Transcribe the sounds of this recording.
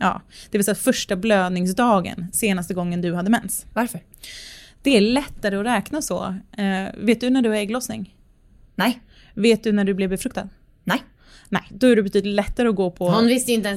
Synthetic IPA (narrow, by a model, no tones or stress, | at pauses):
jɑ̰ːd̪̥ɛvɛɪsɔːt̪fœʂʈabløːd̪nɪŋsd̪ɑːɡə̰nseːnast̪əɡɔŋːənd̪ɵhad̪ːəmɛnsvaɾfəɾ | d̪̥ɛæɭɛt̪ːaɾəɔɾɛːknasɔ̰ | veːt̪d̪ɵnæɖɵaɾɛːɡlɔsnɪ̰ŋ | nɛ | veːt̪̚d̪ɵnæɖɵblɛvbɛfɾɵkt̪a̰d̪ | nɛ | nɛ̰jd̪ɔæɖɵbɛt̪ʰyːd̪ɪt̪lɛt̪ːaɾəɔɡoːpʰɔʊnvɪst̪əjʏɪnt̪ɛn